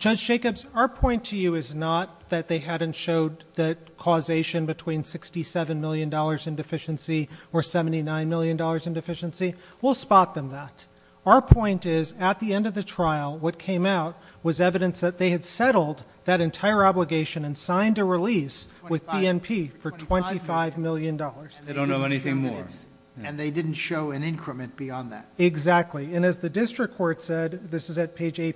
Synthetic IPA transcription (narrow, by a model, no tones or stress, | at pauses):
d̥ʒ̥ʌdd͡ʒd͡ʒeɪkɨbzəə˞pʰɔ̃ɪ̃ntʰɨjɨɪznət̪̚ðɨt̪̚ðeɪɦæɾⁿn̩tʃoʊd̪̚ðɨ | kʰɔzeɪʃɨ̃nbɨtʰw̥ĩnsɪkstisɛvɨ̃nmɪlˠjɨ̃ndɔlˠə˞zɨ̃ndɨfɪʃɨ̃nsiə˞sɛvn̩tinãɪ̃nmɪlˠjɨ̃ndɔlˠə˞zɨ̃ndɨfɪʃɨ̃nsiwilˠspɑt̪̚ðɨ̃mðəɾ | əə˞pʰɔ̃ɪ̃ntɪzɨt̪̚ðiɛ̃ndʌvðɨtʰɹ̥aɪl̩ˠwʌt̚kʰẽɪ̃maʊt̚wʌzɛvɨɾɨ̃nsðɨt̪̚ðeɪɨd̥sɛɾl̩ˠd̪̚ | ðɨɾɨ̃ntʰaɪə˞ɑbləɡeɪʃɨ̃nɨ̃nsãɪ̃ndɨɹɨliswɨðbiɛ̃npʰifə˞tʰw̥ɛ̃ntifaɪvmɪlˠjɨ̃ndɔlˠə˞z̥eɪdõʊ̃nːoʊɛniθɪ̃ŋmɔ̰ɹ | ɨ̃nðeɪdɪdⁿn̩tʃoʊɨ̃nɪ̃nkʰɹɨmɨ̃nb̥iɑ̃nðæ̰t̚ɪɡzæk̚tʰˡliɨ̃nɨzðɨdɪstɹ̥ɨkʰːɔɹtsɛd̪̚ðɪsɨzɨt̚pʰeɪd͡ʒeɪ